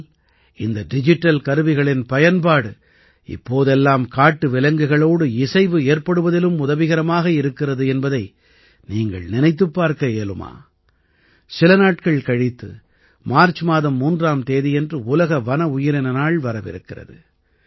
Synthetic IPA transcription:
ɪnd̪ɐɖɪd͡ʒɪʈːɐlkɐɾɯʋɪɣɐɭɪnpɐjɐnpaːɽɯ | ɪ̰pːoːðɛlːaːmkaːʈːɯʋɪlɐŋɡɯɣɐɭoːɽɯɪsɐɪʋɯeːɾpɐɽɯʋɐðɪlɯmʊðɐʋɪɣɐɾɐmaːɣɐɪɾɯkːɪrɐðɯɛnbɐðɐɪ | niːŋɡɐ̰ɭnɪnɐɪt̪̬ːɯpːaːɾkɐeːlɯma̰ː | sɪlɐnaːʈ̚kɐɭkɐɻɪt̪ːɯ̰ | maːɾt͡ʃmaːðɐmːuːndraːmt̪eːðijɛndrɯʊlɐɣɐʋɐnɐʊjɪɾɪnɐnaːɭʋɐɾɐʋɪ̰ɾɯkːɪrɐ̰ðɯ̰

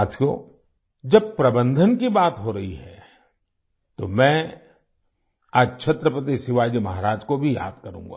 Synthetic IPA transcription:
at̪ʰjo̰ː | d͡ʒɐb̚pɾɐbə̃nd̪ʱənkibaːt̪ɦoɾɐɦiɦɛ̰ | t̪omɛ̃ː | aːd͡ʒt͡ʃʰɐt̪ɾəpət̪̬isɪʋaːjd͡ʒimɐɦaɾaːd͡ʒkobʱija̰ːd̪kɐɾṵ̃ːŋɡa̰ː

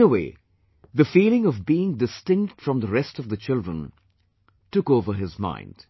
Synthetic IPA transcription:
əweɪ | ðɨfiːlˠɪ̃ŋʌvbiɪ̃ŋdɨstɪ̃ŋk̚tfɹʌ̃mðəɹɛstʌvðɨt͡ʃɪlˠdɹə̰̃n | tʊkoʊvə˞ɦɪzmã̰ɪ̃nd̥

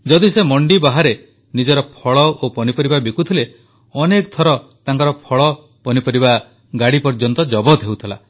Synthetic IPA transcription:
d͡ʒɔd̪isemɔɳɖibaɦaɾe | nid͡ʒɔɾɔpʰɔɭɔopɔnipɔɾibabikut̪ʰile | ɔnekt̪ʰɔɾɔt̪aŋkɔɾɔpʰɔɭɔ | pɔnipɔɾiba | ɡaɽipɔɾd͡ʒɔnt̪ɔd͡ʒɔbɔt̪ɦewt̪ʰila̰

